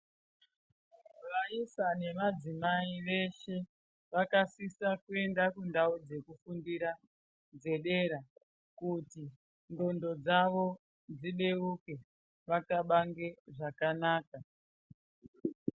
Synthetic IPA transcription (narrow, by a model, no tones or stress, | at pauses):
ʋaisane̞mad͡zimaiʋe̞ʃe̞ | ʋakasisakue̞ndakundaud͡ze̞kufundiɾa | d͡ze̞ɗe̞ɾa | kuti | ndo̞ndo̞d͡zaʋo̞ | d͡ziɗe̞uke̞ | ʋakaɓaŋɡe̞ʐakanaːka